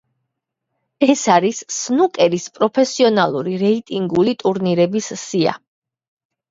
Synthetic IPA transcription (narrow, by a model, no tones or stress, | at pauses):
ɛsaɾisːnukʼɛɾispʼɾɔpʰɛsiɔnalˠuɾiɾɛit̪ʼiŋɡulit̪ʼuɾniɾɛbissia̰